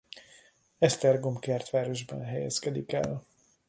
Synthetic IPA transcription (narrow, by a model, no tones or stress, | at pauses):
ɛst̪ɛrɡomkɛrt̪ʋaːɾo̞ʒbɛ̰nɦɛjɛ̰skɛd̪ikɛ̰l